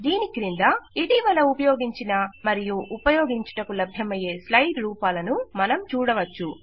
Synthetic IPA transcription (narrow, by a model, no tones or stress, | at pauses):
d̪iːnikiɾind̪ɐiʈiːʋɐlɐupɐjoːɡiɲt͡ʃinɐmɐɾijuʔːpɐjoːɡiɲt͡ʃɐ̥ʈɐkulɐbʱjɐmɐje̞ːslɐjʈɾuːpaːlɐnumɐnɐmt͡ʃuːɽɐʋɐt͡ʃːu